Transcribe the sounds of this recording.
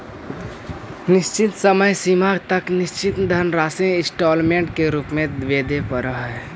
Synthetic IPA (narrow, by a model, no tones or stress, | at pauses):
nɪst͡ʃɪt̪səməjsimaːɡt̪əknɪst͡ʃɪt̪d̪ʱənɾaːsẽɪsʈɔːlmẽɳʈkeɾuːpmẽd̪ʋeːd̪ʱepəɾəɦɛ